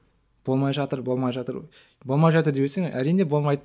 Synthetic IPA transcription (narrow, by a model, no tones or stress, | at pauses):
b̥o̞lˠmɑjʒɑt̪əɾbo̞lˠmɑjʒɑt̪əɾ | bo̞lˠmɑjʒɑt̪əɾd̪ebeseŋæɾijne̞bo̞lˠmɑjd̪ə